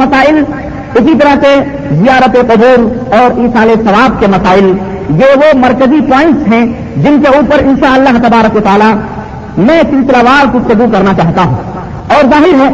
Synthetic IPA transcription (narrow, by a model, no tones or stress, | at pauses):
mɐsaːɪl | ɪsit̪̬ɐɾase | zijaːɾət̪eqʊd͡ʒuːɾɔːɾiːsaːlesɐʋaːb̚kemɐsaːɪl | jeʋomɐɾkəzipɔ̃ːɪ̃ɳʈsɦɛ̃ | d͡ʒɪnkeuːpəɾɪ̃nʃaəlːaːɦt̪ɐbaːɾəkʋət̪aːla | mɛ̃ːsɪlsɪlaːʋaːɾkut̪ɐd̪ukɐɾnat͡ʃaːɦt̪aɦũ | ɔːɾzaːɦɪɾɦɛː